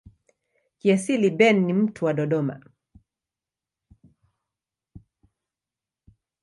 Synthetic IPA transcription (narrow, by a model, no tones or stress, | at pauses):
kiasilibɛnːim̩tʰuwaɗɔɗɔma̰